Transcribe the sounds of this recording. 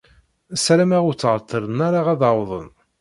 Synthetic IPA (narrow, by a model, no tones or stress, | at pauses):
sɾæmæʁʊɾt͡sːʁət̪ʰˤːəɾənaɾaʁæðɑwðˤə̰n